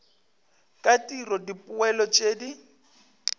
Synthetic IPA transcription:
kʼatʼirɔdipʼʊɛlɔt͡ʃʼeːdi

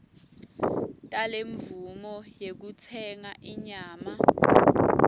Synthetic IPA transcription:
tʼaleɱvumɔjek̬ut͡sʰɛŋaʔiɲaːma

